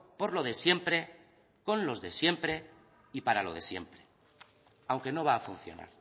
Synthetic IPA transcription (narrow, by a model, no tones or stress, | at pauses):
po̞ɾlo̞ðe̞sje̞mpɾe̞ | ko̞nlo̞zðe̞sje̞mpɾe̞ | ipaɾalo̞̰ðe̞sje̞̰mpɾe̞̥ | awŋke̞no̞β̞aːfun̟θjo̞̰na̰ɾ